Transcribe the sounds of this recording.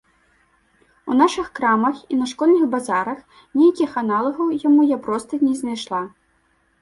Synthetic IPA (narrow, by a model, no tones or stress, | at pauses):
ṵnaʂɨxkɾamɐxinɐʂkɔlʲnɨxbazaɾɐx | nʲɛjakʲixanalˠɐɣɐwjamujapɾɔst̪ɐnʲɛznajʂlˠa